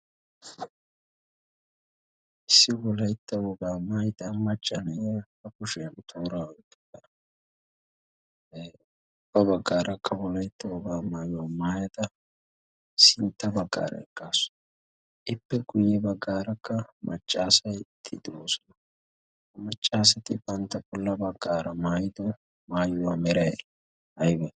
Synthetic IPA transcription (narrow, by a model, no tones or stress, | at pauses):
ʔɪsːɪwɔlɐjt̪ːɐwɔbaːmaːjt̪ɐmɐt͡ʃʼːɐnɐjfɐkʊʃɛjɐnt̪ʰoːɾaːwɔjt̪ːɐ̥ɡɐnɐ | ʊb̥ːɐbɐɡːaːɾʔɐkːɐwɔlɐjt̪ːɐwɔbaːmaːjɔmaːjɐt̪ɐ | sɪnt̪ːɐbɐɡːa̰ːɾɐ̰ɛkːaːsʊ̥ | ʔɪpːɛɡʊjːɛbɐɡːaːɾɐkːɐmʔɐt͡ʃʼːaːsɐjt̪ʰːɪd̪oːsɔnɐ | hɐmɐt͡ʃʼːaːs̬ɐt̪ɪbɐnt̪ːɐbɔlːɐbɐɡːaːɾɐmaːjɪd̪ɔ | maːjʊwamɛɾɐjɛ̰ | ɐjbɛ